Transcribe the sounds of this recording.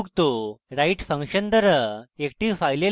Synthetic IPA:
kt̪oɾaiʈfə̃ŋkɕənd̪əɾəek̚ʈiʋfajle

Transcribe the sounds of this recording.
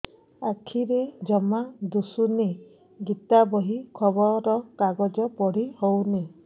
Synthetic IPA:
akʰiɾed͡ʒɔmad̪usune | ɡit̪abɔɦikʰɔbɔɾɔkaɡɔd͡ʒɔpɔɽ̤ihowne

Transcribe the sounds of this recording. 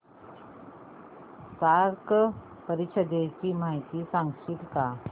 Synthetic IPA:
saɾk | pəɾit͡ʃʰəd̪et͡ɕim̤ajt̪isãŋɡʂit̪ka

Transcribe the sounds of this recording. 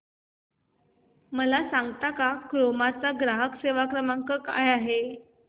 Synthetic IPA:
məlasaŋɡt̪akakɾomat͡saɡɾaɦəkseʋakɾəmaŋkəka̰jaɦe

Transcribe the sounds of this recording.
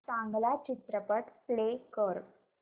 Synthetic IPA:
saːŋɡɐlaːt͡ʃit̪ɾɐpəʈpleːkoːɾ

